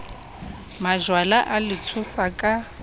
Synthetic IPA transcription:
maʒwalaʔalɪt͡sʰʊsakʼa

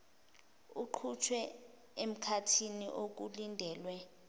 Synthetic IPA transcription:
uǃʰut͡ʃʰwɛ | em̩kʰatʰiniʔok̬ulindʱɛːlwɛ

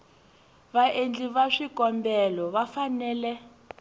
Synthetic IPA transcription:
βaʔend͡ɮiβaʂikɔmbɛlɔβafanɛːlɛ

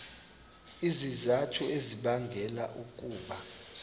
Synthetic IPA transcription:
izizatʰueziɓaŋɡʱɛlaʔuk̬ʼuːɓa

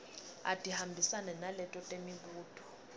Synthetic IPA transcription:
a̰d̥ʱʼihambʱisanɛnalɛtʼɔtʼemiɓuːtʰʼɔ̥

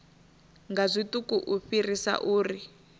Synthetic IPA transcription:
ŋɡazʷitukuʔuɸirisa̰ʔuːri

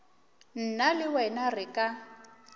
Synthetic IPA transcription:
n̩nalɪwɛnarɪkʼa

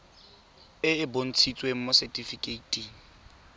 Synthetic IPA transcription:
ɪɪbon̩t͡sʰit͡sʼwem̩mʊsɛtʼifikʼeitʼiŋ̩

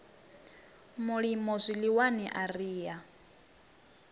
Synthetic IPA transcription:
muɺimɔzʷiliwaniʔariːja

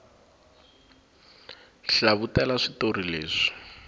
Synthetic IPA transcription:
ɬaβutɛlaʂitorileːʂi̥

